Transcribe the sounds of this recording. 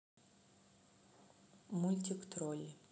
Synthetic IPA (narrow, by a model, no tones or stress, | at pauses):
mulʲt̪ʲikt̪ɾolʲ